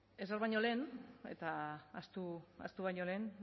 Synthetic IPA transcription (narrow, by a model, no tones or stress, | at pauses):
e̞zeɾβajɲo̞le̞ːnḛt̪aast̪ua̰st̪uβajɲo̞le̞ːn